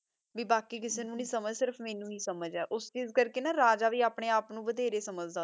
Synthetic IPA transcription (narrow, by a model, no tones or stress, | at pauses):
ʋiːbaːkiːkɪseːnũːnĩːsəməd͡ʒsɪɾəpʰmẽːnũːniːsəməd͡ʒɛːʔʊst͡ʃiːzkəɾkeːnaːɾaːd͡ʒaːʋiːaːpɽ̃eːaːpnũːbəd̪eːɾeːsəməd͡ʒd̪a